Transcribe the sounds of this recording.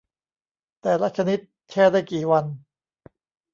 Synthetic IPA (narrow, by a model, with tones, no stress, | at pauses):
t̪ɛː˨˩la˦˥k̚t͡ɕʰa˧ni˦˥t̪̚t͡ɕʰɛː˥˩daː˥˩jkiː˨˩wa˧n